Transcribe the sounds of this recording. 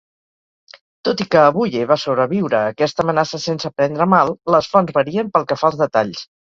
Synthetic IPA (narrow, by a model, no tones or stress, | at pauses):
t̪ot̪ikəːβuʎeβasoβɾəβiwɾəːkɛst̪əmənasəsensəpɾɛnd̪ɾəmalˠləsfɔnzβəɾiəmpəlˠkəfalˠzðət̪aʎs